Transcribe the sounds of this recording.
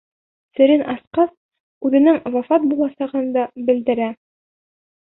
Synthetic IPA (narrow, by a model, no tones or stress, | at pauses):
sɘ̆ɾɘnʔɑsqɑs | ʉðɘ̆nɘŋvɑfɑt̪̚bulˠɑsɑʁɤnd̪ɑbɘ̆ld̪ɘ̆ɾæ